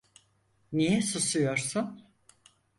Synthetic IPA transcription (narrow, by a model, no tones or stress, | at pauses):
nijɛsusujo̞ɾsun